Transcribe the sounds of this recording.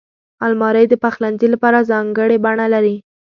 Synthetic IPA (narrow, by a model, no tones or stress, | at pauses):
almɑɾəjd̪əpaxlanzilapɑɾazɑŋɡəɽebaɳalaɾi